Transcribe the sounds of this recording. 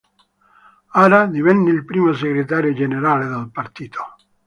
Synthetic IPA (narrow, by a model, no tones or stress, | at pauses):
aɾad̪ivɛnːeilpɾiːmos̬eɡɾet̪aːɾjod͡ʒeneɾaːled̪alpart̪iːt̪ʰo̥